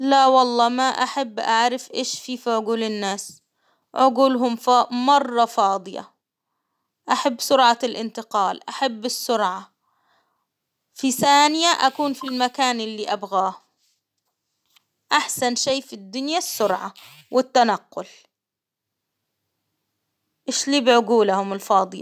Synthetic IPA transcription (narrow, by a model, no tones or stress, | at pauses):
lawɑlˤːɑːmaʔaħabːʔaʕɾɪfʔeːʃfiːfiʕʊɡuːlɪnːaːs | ʕʊɡuːlɦʊmfmɑrˤːɑfɑːd̪ˤɨja̰ | ʔaħabːsʊɾʕalʔɪnt̪ɪqɑːlʔa̰ħabːɪsːʊɾʕa | fiθaːnɪjaʔakuːnfilmakaːnʔɪlːiʔabɣaːh | ʔaħsanʃeːfid̪ːʊnjasːʊɾʕa̰ | wɪt̪ːanaqːʊl | ʔeːʃliːbɪʕʊɡuːlahʊmɪlfɑːd̪ˤɨjɑ̰